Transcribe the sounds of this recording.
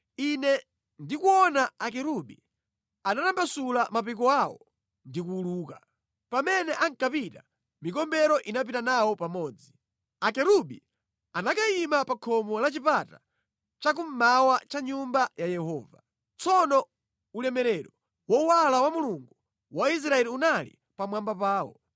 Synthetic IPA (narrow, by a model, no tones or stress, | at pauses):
inɛ | ndikuɔnaakɛɾuɓḭ | anatambasulamapik̬ɔawɔ̰ | ndikuːluːka | pamɛnɛʔaŋkapita | mikɔmbɛɾɔʔinap̬itanawɔpamɔːd͡zi | akɛɾuɓḭ | anakaimapakʰɔmɔlat͡ʃipata | t͡ʃak̬um̩mawat͡ʃaɲumbajajɛhɔːva̰ | t͡sɔnɔ | ulɛmɛɾɛɾɔ | wɔwalawamuluŋɡu | wais̬ɾaɛliunalḭ | pamwambapaːɔ̰